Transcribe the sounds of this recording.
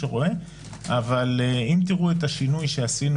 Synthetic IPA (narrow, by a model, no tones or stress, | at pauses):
eʁo̞e̞ | avalimt̪iʁuet̪aʃinujʃe̞asin